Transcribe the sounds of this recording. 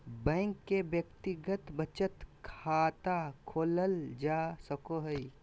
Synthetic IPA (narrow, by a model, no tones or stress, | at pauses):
bɛ̃ːŋkːebjəkt̪ɪɡət̪bət͡ʃət̪kʰaːt̪akʰoːləld͡ʒaːsəkoɦəi